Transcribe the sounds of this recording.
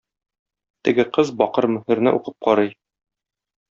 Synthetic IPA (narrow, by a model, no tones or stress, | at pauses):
t̪ɘ̆ɡɘqɤzbɒqɤɾmɵ̆hɘ̆ɾnɘʔṵqɤp̚qɒɾɤj